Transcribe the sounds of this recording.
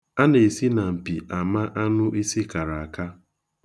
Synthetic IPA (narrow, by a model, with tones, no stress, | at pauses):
a˦ne˨si˦na˨m̩˨pi˨ʔa˨ma˦ʔa˦nʊ˦ʔi˦si˦ka˨ɾa˨a˨ka˦